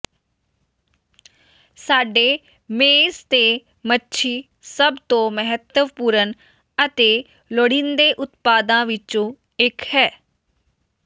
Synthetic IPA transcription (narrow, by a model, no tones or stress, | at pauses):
saːɖeː | meːst̪eː | mətːʃʰiː | səbt̪õːməɦət̪əʋpuːɾən | ət̪eː | loɽɪ̃nd̪eːʔʊt̪paːd̪ãːʋɪt͡ʃõː | ɪkhɛː